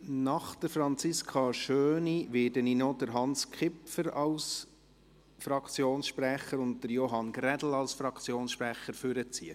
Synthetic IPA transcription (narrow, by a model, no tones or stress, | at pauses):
nɑχd̥əɾfɾɑnt͡sɪskʰɑʃøːniʋɪːdəninɔd̥əɾɦɑnskʰχɪpfəɾɑls | fɾɑkt͡sjoːnsʃpræχəɾʊnt̚d̥əɾjoɦɑnɡɾɛdl̩ɑlsfɾɑkt͡sjoːnsʃpɾæχəɾfʏɾət͡siːə